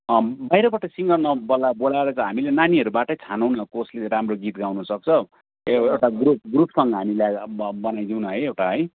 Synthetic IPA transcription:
bajɾʌbʌʈʌsiŋɡʌlnʌbʌlabolaeɾʌt͡sʌ̃ɦamilenaniɦʌɾubaʈʌjt͡sʰanʌwnʌkosleɾamroɡit̪ɡawnusʌk̚t͡sʰʌ | eewʈaɡrup̚ɡrupsʌŋɡʌɦamilabʌnajd̪iw̃nʌɦʌjewʈaɦʌj

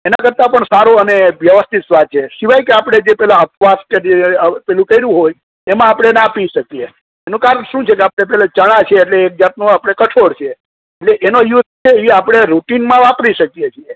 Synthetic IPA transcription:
enakəɾt̪apəɳsaɾoəneʋjəʋəst̪ʰit̪sʋad̪̚t͡ʃʰesiʋajkeapɽ̃ed͡ʒepɛɦlaəpʋasked͡ʒepɛlũkəiɾũɦoj | emãːpɽ̃enapiʃəkieː | nũkaɾəɳʃũt͡ʃʰekeapɽ̃epɛɦlat͡ʃəɽ̃ãt͡ʃʰeːʈleːk̚d͡ʒat̪noapɽ̃ekəʈʰoɽt͡ʃʰe | eʈleʔenojut͡ʃʰeeʋiapɽ̃eɾuʈinmãʋapɾiʃəkijet͡ʃʰie

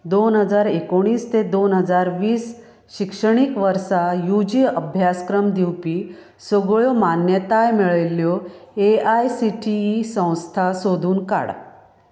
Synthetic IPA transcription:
d̪onɦəd͡zaɾekoɽ̃iːst̪ed̪onɦəd͡zaɾʋiːs | ɕikʂəɽ̃ikʋəɾsajud͡ʑiəbʱjaskɾəmd̪iwpiː | soɡɭjomanjət̪ajmeɭəljoeajsiʈiːsə̃w̃st̪ʰasod̪ʱuːnka̰ɽ̰

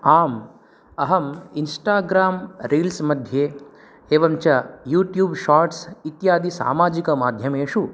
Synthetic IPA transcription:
aːm | ɐɦɐminsʈaːɡɾaːmɾiːlsmɐd̪ʱjeː | eːʋɐmt͡ʃɐjuːʈjuːbʃaːɾʈsit̪jaːd̪isa̰ːmaːd͡ʒikɐmaːd̪ʱjɐmeːʂu

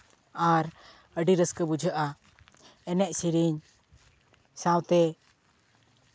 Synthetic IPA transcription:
aɾ | əɖiɾəskəbud͡ʒʱəʔa | ɛnɛʔ̚siɾiɲ | sawt̪ɛ

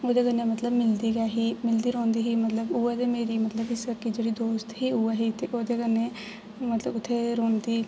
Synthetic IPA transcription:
oːd̪eɡənːemət̪ləbmɪld̪iɡaːɦimɪld̪iɾõːnd̪iɦimɐt̪ləbuːad̪emeːɾimɐt̪ləbɪsəkid͡ʒeɽid̪oːst̪ɦiuːaɦit̪ʰːeʔoːd̪eɡənːe | mɐt̪ləbʊt̪ʰːeɾõːnd̪iː

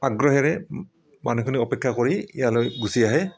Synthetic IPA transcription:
aɡɹɔɦɛɹɛ | manukʰuniɔpɛkʰːakoɹiḭjalojɡusiaɦɛ

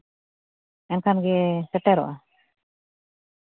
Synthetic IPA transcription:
ɛnkʰanɡɛsɛʈaɾɔ̰ʔa

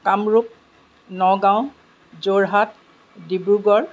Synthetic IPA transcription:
kamɹup̚ | nɔɡãw̃ | zoɹɦat̚ | dibuɡɔɹ

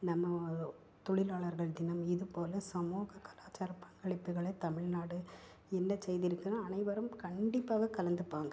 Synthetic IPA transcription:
nɐmːɐ | t̪ɔɻɪlaːɭɐɾɣɐɭd̪ɪnɐmɪðɯpoːlɐsɐmuːɣɐkɐlaːt͡ʃːaːɾɐpːɐŋɡɐɭɪpːɯɣɐɭɐt̪ɐmɪɻnaːɽɯ | ɛnːɐsɛjðɪɾɯkːɯnaːnɐɪʋɐɾɐmkɐɳɖɪpːaːɣɐkɐlɐnd̪ɯpːaːŋɡɐ

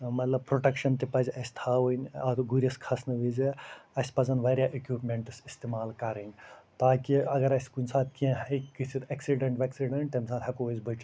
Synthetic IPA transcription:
mɐt̪lɐb̚pɾoʈɐkʃɐnt̪ipɐzʲɐsʲt̪ʰaːunʲɐt̪ɡuɾʲɐskʰɐsnɨʋizeɐsʲpɐzɐnʋɐɾʲjaːʔekjuːpmʲeɳʈɨsist̪emaːlkɐɾɐnʲt̪aːkʲiɐɡɐɾɐsʲkunʲsaːt̪ʰkʲiɐ̃ɦɐkkisit̪ɐksiɖɐɳʈʋɐksiɖɐɳʈ̚t̪ɐmʲsaːt̪hɐkoʋɐzʲbɐt͡ʃ

